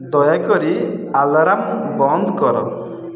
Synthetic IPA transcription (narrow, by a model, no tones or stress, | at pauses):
d̪ɔjakɔɾialaɾambɔnd̪ʱɔkɔɾɔ̰